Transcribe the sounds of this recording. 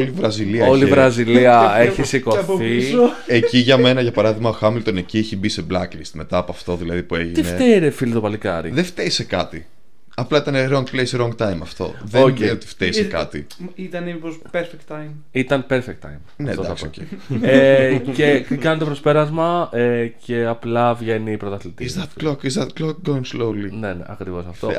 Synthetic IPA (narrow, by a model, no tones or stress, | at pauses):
olivɾɐziliɐolivɾɐziliɐeçisiko̞θieciʝɐme̞nɐʝɐpɐɾɐðiɣmɐoxɐmilt̪onecieçibise̞blɐklist̪me̞t̪ɐːpoɐft̪o̞ðilɐðipue̞ʝiineft̪eɾefilit̪opɐlikɐɾḭðeft̪eisekɐt̪i | ɐplɐit̪ɐneɾoŋɡlejsɾoŋɡ̚t̪ɐjmɐft̪o̞̰ðoeot̪i̥ft̪esekɐt̪i | it̪ɐniipospeɾfek̚t̪ːɐjm | it̪ɐnpeɾfek̚t̪ːɐ̰jmnɐedt̪oɐɐkscḛecekɐnt̪opɾo̞spe̞ɾɐzmɐece̞ɐplɐvʝe̞nipɾot̪ɐθlit̪iizðɐt̪lokizðɐt̪kloɡoinslowlinenḛɐkɾivo̞sɐft̪o